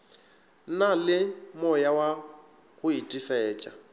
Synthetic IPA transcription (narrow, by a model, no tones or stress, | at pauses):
n̩nalɪmɔjawa | ɣʊitʼisɛɛːt͡ʃʼa